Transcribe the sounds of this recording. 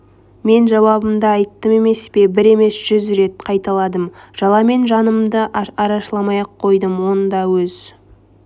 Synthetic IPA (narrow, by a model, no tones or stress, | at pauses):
me̞nʒɑwɑbəmd̪əɑjt̪ːəme̞me̞spe̞bɪɾe̞me̞sʒ̥ʏzɾe̞t̪qʰɑjt̪ɑlˠɑd̪əmʒ̥ɑlˠɑme̞nʒɑnəmd̪əʔɑɾɑʃlˠɑmɑjɑqʰːo̞jd̪əmwo̞nəd̪ɑwɵz